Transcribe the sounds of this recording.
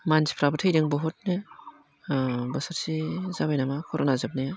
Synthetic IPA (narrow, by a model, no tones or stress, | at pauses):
mansi̥pʰɾabɯtʰejɾiŋbɔɦɔt̚ne | bɐsaɾsizabajnamakʰɔɾɔnazap̚naja